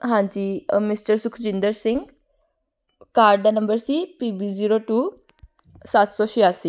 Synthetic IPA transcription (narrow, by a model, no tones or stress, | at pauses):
ɦãɲt͡ɕimisʈəɾsukʰd͡ʑind̪əɾsiŋɡ | kaɾɖd̪anəmbəɾsipibid͡ʑiɾoʈu | sat̪sɔɕijasi